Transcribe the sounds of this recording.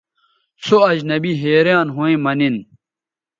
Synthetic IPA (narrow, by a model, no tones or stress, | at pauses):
soɐd͡ʑnɐbiɦeːɾjaːnɦoẽmɐnin